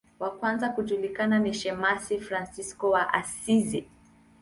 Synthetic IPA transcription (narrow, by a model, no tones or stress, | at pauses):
wakwanzakuʄulikananiʃɛmasifɾansiskɔwaʔa̰sizi